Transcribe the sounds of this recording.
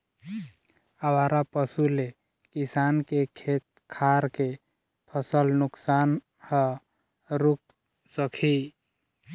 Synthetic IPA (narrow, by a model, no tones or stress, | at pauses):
əwaɾapəsule | kisankekʰet̪̚ | kʰaɾke | pʰəsəlnuksan | hə | ɾuk̚ | səkʰi